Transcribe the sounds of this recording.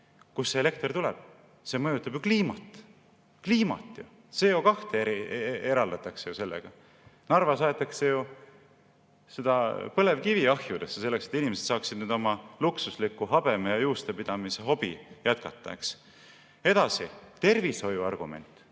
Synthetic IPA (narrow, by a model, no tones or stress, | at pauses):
kusːeele̞kt̪rt̪ulḛb̥ | se̞mɤjut̪ːˑɑb̥jukliːmɑ̰t̪ˑ | kliːmɑ̰t̪ːˑju | se̞ːokɑht̪eeieɾɑld̪̥ɑt̪ːˑɑkse̞juse̞lːḛɡ̥ɑ | nɑrvɑsɑet̪ːˑɑkse̞ju | sed̪̥ɑpɤle̞vkiviɑhjud̪e̞sːese̞lːe̞kset̪ːinimese̞t̪sɑːksid̪nyːd̪o̞mɑluksuslikːˑuɦɑb̥e̞mɑjɑjuːst̪epid̪̥ɑmiseɦo̞b̥ijæt̪kɑt̪ːˑɑ̰ḛks | e̞d̪̥ɑsḭt̪e̞rviso̞juɑrɡ̥ume̞̰nt̪ːˑ